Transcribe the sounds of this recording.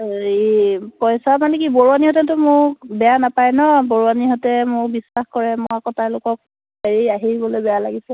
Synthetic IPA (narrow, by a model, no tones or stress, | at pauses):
ipɔjsamanɛkiboɹuwaniɦɔtɛtʊmʊɹbɛjanapajnɔboɹuwaniɦɔtɛmʊɹbisːaxkɔɹɛmɔakɔtaɹlʊkɔk̚ | beɹiaɦiɹibɔlojbɛjalaɡisɛ